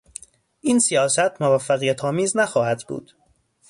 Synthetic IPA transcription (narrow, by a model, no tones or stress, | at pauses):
ʔiːnsijɒːsæt̪ʰmovæfːæɣijæt̪ʰɒːmiːznæxɒːhæd̪bṵːd̪̥